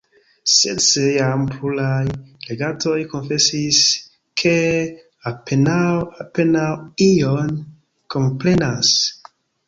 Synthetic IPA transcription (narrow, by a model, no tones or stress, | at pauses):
sesejampʰlulajle̞ɡato̞jko̞nfe̞sis | kʰe̞ | apenawape̞nawijon | ko̞mpɾe̞nas